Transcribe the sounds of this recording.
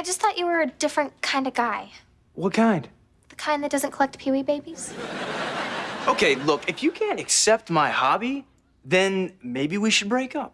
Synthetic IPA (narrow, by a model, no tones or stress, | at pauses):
aɪd͡ʒʌstθɔt͡ʃɨwə˞ɨdɪfɹɨ̃nkʰãɪ̃ndʌvɡaɪ | wʌt̚kʰãɪ̃nd̥ | ðəkʰãɪ̃nðɨt̚d̥ʌzɨ̃nkʰəlɛk̚t̚pʰiibeɪbiz̥ | oʊkʰeɪlʊkɨfjɨkʰæ̃ntɨksɛp̚t̚maɪhɑbi | ðɨ̃nmeɪbiwiʃɨd̚bɹeɪkʌp̚